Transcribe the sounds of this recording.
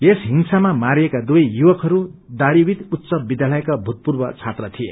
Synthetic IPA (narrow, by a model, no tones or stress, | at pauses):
esɦinsamamaɾiekad̪uʌjjuwʌkɦʌɾud̪aɾibit̪ut̪sʌbid̪jalʌekabʱut̪̚purbʌt͡sʰat̪rʌt̪ʰiḛ